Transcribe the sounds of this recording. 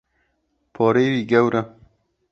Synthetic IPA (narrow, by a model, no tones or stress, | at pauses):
pʰɔːɾeːwiːɡɛwɾʔɐ